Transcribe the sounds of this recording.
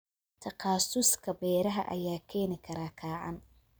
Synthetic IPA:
t̪ʰɐqɑːsʊskʰɐbɛːɾɐɦɐ̰ʔɐ̰jaːkʰɛːnɪkʰɐɾaːkʰaːʕɑ̰n

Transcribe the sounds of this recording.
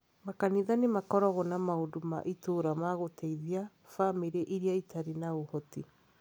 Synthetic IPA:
makaniðanemakɔɾɔɣɔnamaoduma̰ʔitoːɾamaɣotʰɛiðia | famiɾeʔiɾiaitaɾinaohɔti

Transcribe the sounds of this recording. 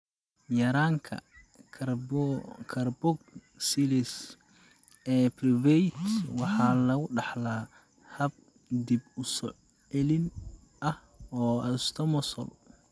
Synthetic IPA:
jɐɾaːŋkʰɐ̰ | kʰɐrbɔɡ̚ | silɪs | ɛːprivɛt̪wɑħɑːlɐɣʊɖɑħlaː | hɐb̚ | d̪ibʊsɔ | ɛlɪn | ʔɐh | ɔːɐst̪ʰɔmɔsɔ̰l

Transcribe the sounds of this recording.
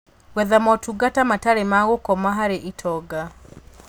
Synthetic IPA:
wɛðamɔtuɡatamataɾemaɣokɔmaɦaɾeʔitʰɔɡa

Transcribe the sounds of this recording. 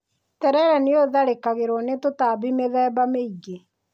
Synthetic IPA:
tɛɾɛɾɛneoðaɾekaɣeɾwɔnetotaːbimeðɛːbameiɣe

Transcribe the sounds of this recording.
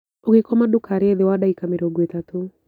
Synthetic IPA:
oɡɪkɔmadʊkʰaɾeðɪwadaikameɾoɡwet̪at̪o

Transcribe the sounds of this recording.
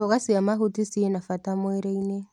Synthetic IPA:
ɔɣasiamaɦutisienafatamwɛɾeine

